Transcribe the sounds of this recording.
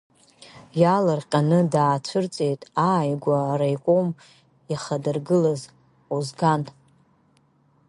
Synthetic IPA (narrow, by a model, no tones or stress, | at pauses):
jalarqʲʼanɨdaːt͡ɕʷʰɨrt͡sʼe̞jtʼajɡʷaːɾajkʷʼom | aχadɨrɡɨlaz | uzɡantʼ